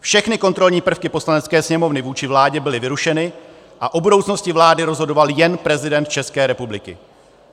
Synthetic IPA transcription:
fʃɛxnɪko̞nt̪ɾo̞lɲiːpr̩fkɪpo̞slanɛt̪t͡skɛːsɲɛmo̞vnɪvuːt͡ʃɪvlaːɟɛbɪlɪvɪɾuʃɛnɪ | ʔaʔo̞budo̞wt͡sno̞scɪvlaːdɪɾo̞zɦo̞do̞valjɛnpɾɛzɪdɛnt̪̚t͡ʃɛskɛːɾɛpublɪkɪ̰

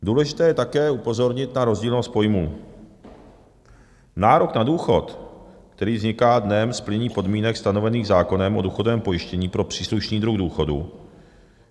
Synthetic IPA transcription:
duːlɛʒɪt̪ɛːjɛt̪akɛːupo̞zo̞ɾɲɪt̪naɾo̞zɟiːlnost̪̚po̞jmuː | naːɾoknaduːxo̞t̪k̚t̪ɛɾiːvzɲɪkaːdnɛmsplɪɲiːpo̞dmiːnɛkst̪ano̞vɛniːɣzaːko̞nɛmʔo̞duːxodovɛːmpo̞jɪʃcɛɲiːpɾo̞pr̝̥iːsluʃniːd̪ɾuɣduːxo̞dṵ

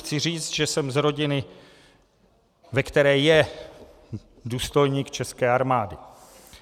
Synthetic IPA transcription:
xt͡sɪr̝iːt͡st̪ʒɛsɛmzɾo̞ɟɪnɪ | vɛkt̪ɛɾɛːjɛ | duːst̪o̞jɲiːkt͡ʃɛskɛːʔaɾmaːdɪ

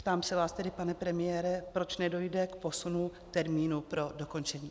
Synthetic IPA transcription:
pt̪aːmsɛvaːst̪ɛdɪpanɛpɾɛmɪjɛːɾɛpɾo̞t͡ʃnɛdo̞jdɛkpo̞sunut̪ɛɾmiːnupɾo̞doko̞nt͡ʃɛɲiː

